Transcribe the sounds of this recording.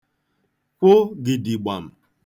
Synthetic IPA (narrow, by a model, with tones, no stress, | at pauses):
kʷʊ˦ɡɪ˨di˨ɡ͡ba̰˨m̩˨